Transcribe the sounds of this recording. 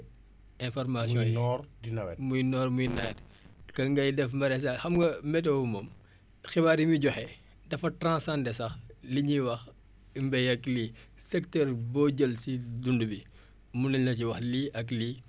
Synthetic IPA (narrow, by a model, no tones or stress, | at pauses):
ɛ̃nfɔrmasijɔ̃ɔɾdinɐwɛmujnɔːrmujnɐ̰t | kɐŋɡɐjdɛfmbɐɾɛs̬ɐxɐmɡɐmɛt̬ɛwumɔm | xibaːɾimiɟɔxɛ | dɐfɐtɾãsãndɛsɐxliɲiwɐx | mbɛjɐklisɛktɛːrbɔːɟəlsidundubi | munilnɐciwɐxliʔɐkliː